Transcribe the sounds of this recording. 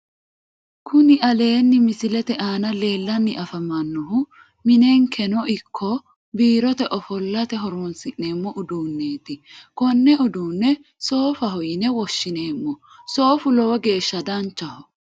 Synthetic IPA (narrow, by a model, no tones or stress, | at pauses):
kʰʊnɪʔɐle̞ːnːɪmɪsɪlɛt̪ɛʔaːnɐle̞ːlːɐnːɪʔɐfɐmɐnːɔɦʊ | mɪne̞ːŋkʰɛnɔɪkʰːɔ | biːɾɔt̪ɛʔɔfɔlːɐt̪ɛɦɔɾoːnsɪʔːe̞ːmːɔʔʊd̪uːnːe̞ːt̪ɪkɔnːɛɔd̪uːnːɛ | so̞ːfɐɦɔjnɛwɔʃːɪne̞ːmːɔso̞ːfʊlɔwɐɡe̞ːʃːɐd̪ɐnt͡ʃːɐhɔ